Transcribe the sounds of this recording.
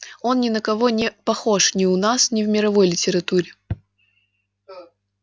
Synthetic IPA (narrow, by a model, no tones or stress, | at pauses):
o̞nnʲɪnəkɐvo̞nʲɪpɐxo̞ʂnʲɪʊnasnʲɪvmʲɪɾɐvo̞jlʲɪtʲɪɾɐt̪uɾʲɪ